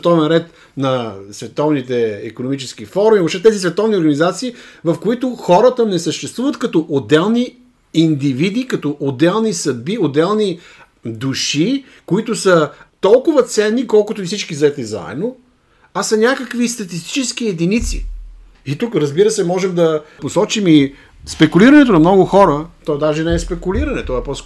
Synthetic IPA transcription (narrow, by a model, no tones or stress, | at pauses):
t̪ɔvɛnɾɛt̪ | nɐsvɛt̪ɔvnit̪ɛḭkonomit͡ʃɛsk̟ifɔɾmiobʃt̪ɛt̪ɛzisvɛt̪ɔvnioɾɡənizat̪siːvɐfkoit̪ʊxɔɾət̪ənɛsəʃt̪ɛst̪vuvət̪kɐt̪ɔʔod̪ɛlˠni | ind̪ivid̪ikɐt̪ɔʔod̪ɛlˠnisɐd̪̚biod̪ɛlˠni | d̪uʃi | koit̪ʊsət̪ɔlˠkʊvət̪sɛnːikɔlˠkʊt̪ʊifsit͡ʃkizɐɛt̪niza̰ɛ̰d̪no | asɐnʲakəkvist̪ɐt̪ist̪i̥t͡ʃɛskijɛd̪init̪sḭ | it̪ukɾəzbiɾəsɛmɔʒɛmd̪ɐposɔt͡ʃimi | spɛkuliɾənɛt̪onɐmnɔɡʊxɔɾət̪ɔɛd̪aʒɛnɛɛspɛkuliɾɐnɛt̪ɔɛpɔs